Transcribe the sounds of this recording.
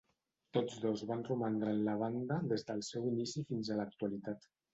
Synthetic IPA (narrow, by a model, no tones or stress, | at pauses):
t̪od͡zðozβanrumand̪ɾanləβ̞and̪əðezðəlˠsɛwinisifinzələk̚t̪ualit̪at̪